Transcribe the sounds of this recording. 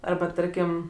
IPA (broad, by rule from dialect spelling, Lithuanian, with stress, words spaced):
ˈɐrbɐ ˈtɐrʲkʲɪm